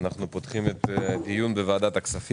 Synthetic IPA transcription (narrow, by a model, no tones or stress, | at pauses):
naχnupot̪χimet̪d̪ijunbevaːd̪at̪aksafi